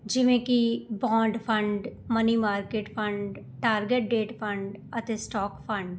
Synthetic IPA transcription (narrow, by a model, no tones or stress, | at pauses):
d͡ʒɪʋẽkibɔ̃ːɳɖpʰə̃ɳɖməniːmaːɾkeːʈpʰəɳɖ | ʈaːɾɡeʈ̚ɖeːʈpʰə̃ɳɖət̪eːsʈɔːkpʰə̃ɳɖ